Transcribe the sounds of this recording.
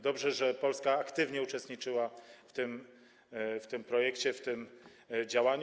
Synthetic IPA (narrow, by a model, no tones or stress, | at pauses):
d̪ɔbʐɛʐɛpɔlskaːkt̪ɘvɲɛut͡ʂɛst̪ɲit͡ʂɘwaft̪ɘm | ft̪ɘmpɾɔjɛkt͡ɕɛft̪ɘm | d͡ʑawaɲ